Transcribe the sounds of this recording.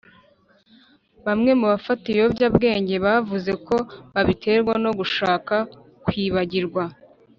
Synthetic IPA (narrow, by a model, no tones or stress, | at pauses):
βamŋe̞muβafatijobɟabɡe̞ːɲɟe̞βavuze̞ko̞βaβitʰe̞ɾɡwano̞ɡuʃaːka | kwiːβaɟiɾɡwa